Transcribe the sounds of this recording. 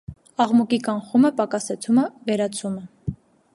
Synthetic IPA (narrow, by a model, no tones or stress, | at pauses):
ɑʁmukikɑŋχuməpɑkɑsɛt͡sʰuməvɛɾɑt͡sʰumə